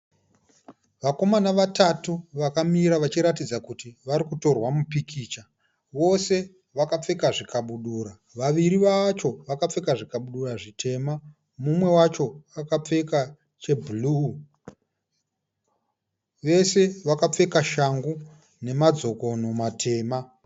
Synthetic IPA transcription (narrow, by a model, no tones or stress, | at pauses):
ʋako̞manaʋatatuʋakamiɾaʋat͡ʃiɾatid͡zakutiʋaɾikuto̞rwamupikʰiːt͡ʃa | ʋo̞se̞ | ʋakap͡fe̞kaʐikaɓuɗuːɾa | ʋaʋiɾiʋat͡ʃo̞ʋakap͡fe̞kaʐikaɓuɗuraʐitʰe̞ːma | mumwe̞wat͡ʃo̞akap͡fe̞ka | t͡ʃe̞bʱulu | ʋe̞se̞ʋakap͡fe̞kaʃaŋɡu | ne̞mad͡zo̞ko̞no̞matʰe̞ːma